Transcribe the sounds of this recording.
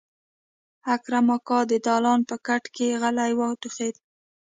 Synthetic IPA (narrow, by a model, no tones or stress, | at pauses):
akɾamɑkɑd̪əd̪ɑlɑnpəkaʈkeɣalajwɑt̪ʊxed̪